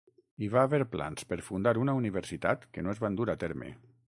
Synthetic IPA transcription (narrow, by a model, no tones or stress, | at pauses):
iβaːβeɾpla̰nspeɾfund̪aɾunauniβeɾsit̪at̪kenoezβand̪uɾat̪ɛɾmḛ